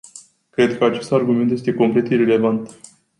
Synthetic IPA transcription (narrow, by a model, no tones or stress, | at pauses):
kɾe̞d̪kəat͡ʃe̞st̪arɡume̞nt̪jest̪e̞ko̞mple̞t̪iɾele̞vant̪